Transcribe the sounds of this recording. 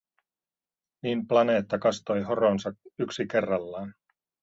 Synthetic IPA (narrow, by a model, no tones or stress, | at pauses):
niːmplɑne̞ːt̪ːɑkɑst̪o̞jɦo̞ɾo̞nsɑkyksike̞rːɑlːɑːn